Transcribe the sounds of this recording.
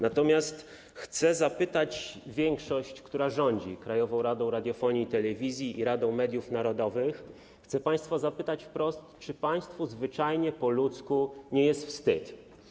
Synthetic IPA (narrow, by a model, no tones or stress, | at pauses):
nat̪ɔmʲjast̪ | xt̪sɛzapɘt̪at͡ɕvʲjɛŋkʂɔɕt͡ɕkt̪uɾaʐɔɲd͡ʑḭkɾajɔvɔ̃w̃ɾad̪ɔ̃w̃ɾad̪ʲjɔfɔɲit̪ɛlɛvʲizʲjiʔiɾad̪ɔ̃w̃mɛd̪ʲjufnaɾɔd̪ɔvɘx | xt̪sɛpaj̃st̪fɔzapɘt̪at͡ɕfpɾɔst̪t͡ʂɘpaj̃st̪fuzvɘt͡ʂajɲɛpɔlut̪skuɲɛjɛst̪fst̪ɘt̪